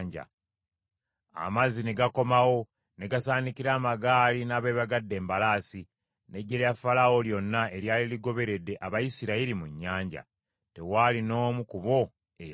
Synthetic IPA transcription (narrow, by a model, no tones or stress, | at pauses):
ɲɟa̰ | a̰mazine̞ɡako̞mawo̞ | ne̞ɡasaːnikiɾaːmaɡaːlinaːβeːβaɡadːe̞ːmbalaːsi | ne̞ɟːeljafalawo̞ljo̞nːae̞ɾjaːliliɡo̞βe̞ɾe̞dːe̞ʔaβajisiɾailimuɲːaːɲɟa̰ | te̞walino̞ːmukuβo̞ | ej